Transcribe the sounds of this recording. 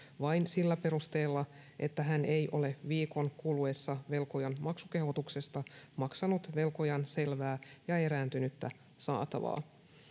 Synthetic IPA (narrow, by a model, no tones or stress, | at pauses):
ʋɑjnsilːæpe̞ɾust̪e̞ːlːɑ | ʔe̞t̪ːæɦæne̞jʔo̞le̞ʋiːko̞ŋkuluesːɑʋe̞lko̞jɑnmɑksuke̞ho̞t̪ukse̞st̪ɑmɑksɑnut̪ʋe̞lko̞jɑnse̞lʋæːjɑe̞ɾæːnt̪ynyt̪ːæ | sɑ̰ːt̪ɑ̰ʋɑ̰ː